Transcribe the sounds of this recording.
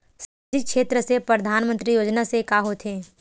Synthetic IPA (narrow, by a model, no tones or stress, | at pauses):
sɐd͡ʒikʃeːt̪ɾəsepɾəd̪ʱaːnmə̃nt̪ɾijoːd͡ʒnasekaːɦot̪ʰẽː